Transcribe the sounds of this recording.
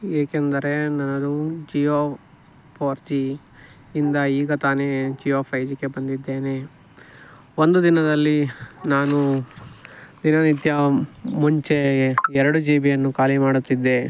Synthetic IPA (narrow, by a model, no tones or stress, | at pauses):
eːkend̪ɐɾe̞nɐnːɐd̪ud͡ʒijoː | pʰoːɾt͡ʃiː | nd̪ɐiːɡɐt̪aːne̞d͡ʒijoːpʰɐjd͡ʒikːebɐnd̪id̪ːe̞ːne̞ | ond̪ud̪inɐd̪ɐlːinaːnu | d̪inɐnit̪jɐmuɲt͡ʃe̞ɛɾɐɽud͡ʒiːbijɐnːukaːlimaːɽut̪ːid̪ːe̞